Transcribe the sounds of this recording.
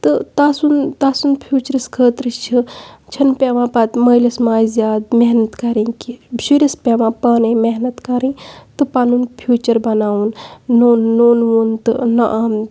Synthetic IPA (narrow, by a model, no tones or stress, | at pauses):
t̪ɨt̪asunt̪asunpʰjuːt͡ʃɐɾɐskʰəːt̪ɾɨst͡ʃʰit͡ʃʰɐnpeʋãːpɐt̪mɐjlɐsmaːjzjaːd̪meɦnɐt̪kɐɾĩkibsiɾispʲeʋãːpɐːnẽmeɦnɐt̪kɐɾĩːt̪ɨpanunpʰjuːt͡ʃɐɾbɐnaːunːoːnːoːnʋunt̪ɨ̰nɐʔaːm